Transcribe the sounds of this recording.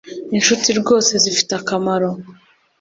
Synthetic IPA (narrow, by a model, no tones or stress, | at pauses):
inʃutiɾɡo̞ːse̞zifi̥takamaɾo